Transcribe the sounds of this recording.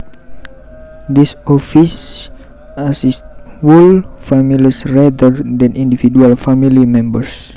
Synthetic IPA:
d̪isɔfis | asist̚fulfamilisrad̪əɾd̪ɛ̃nĩndifidualfamilimɛ̃mbəs

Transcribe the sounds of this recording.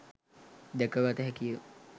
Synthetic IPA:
d̪ɛkəʋat̪əɦɛkijə

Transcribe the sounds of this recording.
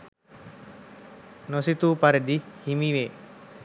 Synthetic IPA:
nosit̪uːpɐɾed̪ihimiʋe

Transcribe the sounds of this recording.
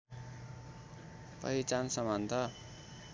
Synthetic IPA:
pʌ̰ɦit͡sansʌmant̪ʰʌ

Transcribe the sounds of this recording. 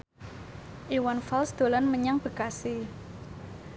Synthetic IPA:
ʔiwanfalsd̪̥o̤lɔnməɲaŋb̥ə̤kasi

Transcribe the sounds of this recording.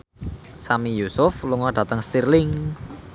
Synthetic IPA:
samijusʊfluŋɔɖ̥ä̤t̪əŋst̪irlɪŋ

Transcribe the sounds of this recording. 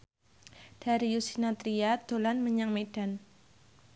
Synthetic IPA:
d̥a̤ɾijusinat̪ɾiad̪̥o̤lanməɲaŋmed̥a̤n

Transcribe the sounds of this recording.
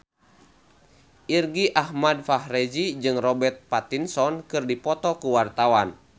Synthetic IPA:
ʔirɡiʔahmadfaɦrɛd͡ʒid͡ʒɨŋrɔbɛrt̪̚pat̪insɔnkɨrdipɔt̪ɔkuwart̪awan

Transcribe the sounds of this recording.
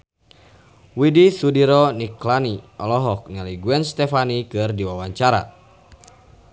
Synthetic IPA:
widisudiɾɔniklaniɔlɔɦɔk̚ɲaliɡuɛnst̪ɛfanikɨrdiwawaɲt͡ʃaɾa̰

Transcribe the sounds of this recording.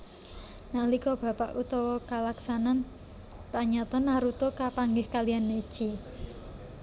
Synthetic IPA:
nalikɔb̥ä̤paʔut̪ɔwɔkalaksanan | paɲat̪ɔnaɾut̪ɔkapaŋɡɪhkalijanːed̥ʒ̥i

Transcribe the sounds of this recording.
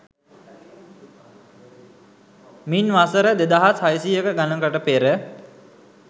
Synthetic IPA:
minʋasəɾəd̪ed̪aɦashajsiːjəkəɡanəŋkəʈəpeɾə

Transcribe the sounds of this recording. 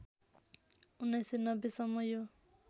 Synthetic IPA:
unajsenʌbesʌmːʌjo

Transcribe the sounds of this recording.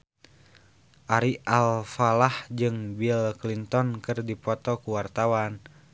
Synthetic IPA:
ʔaɾiʔalfalahd͡ʒɨŋbilklint̪ɔnkɨrdipɔt̪ɔkuwart̪awan

